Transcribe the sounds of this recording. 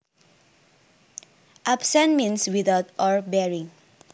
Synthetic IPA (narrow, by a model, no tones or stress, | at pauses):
ʔapsɛ̃nmĩnswiðaʊtɔɹbɛɹĩŋ